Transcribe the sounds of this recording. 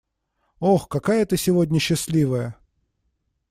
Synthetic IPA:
oxkɐkajət̪əsʲɪvodʲnʲəɕːɪsʲlʲivəjə

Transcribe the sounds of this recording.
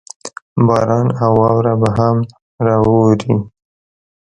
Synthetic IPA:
bɑɾɑnawɑwɾabaɦam | ɾɑwoɾi

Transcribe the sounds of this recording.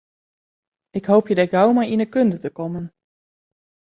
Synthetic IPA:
ɪkɦowpjədəkawmajɪnəkɵndətəkɔmən

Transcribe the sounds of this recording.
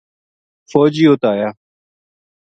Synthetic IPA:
foːd͡ʒiːoːt̪aːjaː

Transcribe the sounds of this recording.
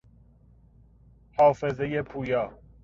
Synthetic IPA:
hɒːfezejepʰuːjɒː

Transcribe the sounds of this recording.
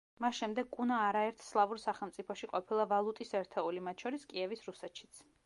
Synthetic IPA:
masʃɛmd̪ɛɡkʼunaːɾaɛɾt̪ʰslˠavuɾsaχɛlˠmt̪sʼipʰɔʃiqʼɔpʰilˠavalˠut̪ʼisɛɾt̪ʰɛulimat̪ʰʃɔɾiskʼiɛvisɾusɛt̪ʃi̥t̪sʰ

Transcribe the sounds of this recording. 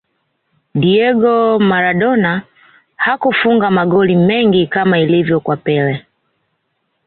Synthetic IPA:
diɛɡɔmaɾaɗɔna | hakufuŋɡamaɡɔlimɛŋɡikamailivjɔkwapɛlɛ

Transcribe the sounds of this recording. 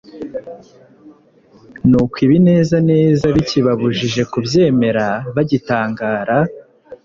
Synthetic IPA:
nukwiβine̞ːzane̞ːzaβiciβaβuʒiʒe̞kubje̞ːme̞ɾaβaɟitaːŋɡaːɾa

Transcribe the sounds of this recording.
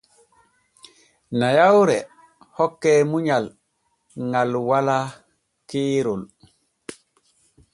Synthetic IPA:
najawɾɛ | hɔkːɛːmuɲal | ŋalwala | kiːɾul

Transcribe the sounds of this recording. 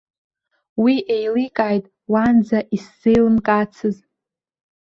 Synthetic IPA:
wiʔejlikʼaːjtʼ | wand͡zaʔisːejlɨnkʼat͡sʰɨz

